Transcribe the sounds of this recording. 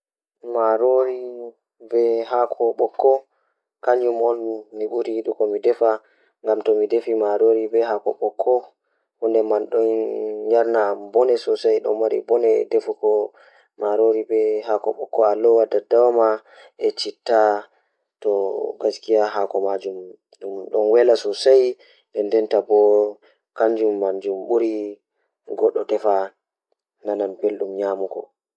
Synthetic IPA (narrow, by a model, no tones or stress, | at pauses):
maɾoɾi | bɛɦakʰɔɓɔkʰːɔ | kaɲumɔlmiɓuɾiiɗukɔmidɛfa | ŋɡamtɔmidefimaɾoɾibɛɦakɔ̰ɓɔkʰːɔ | hundɛmanɗɔnjaɾnabɔnɛsɔsajɗɔ̰mːaɾḭbɔnɛ̰defukɔ | maɾoɾibɛɦakɔɓɔkːɔalɔwadadawama | ʔɛt͡ʃitːa | tɔɡaskijaɦakɔmad͡ʒum | ɗumɗɔnwɛlasɔsaj | dɛndɛntabɔ | kaɲd͡ʒumːaɲd͡ʒumɓuɾi | ɡɔɗːɔdɛfa | nananbelɗumɲaːmukɔ̰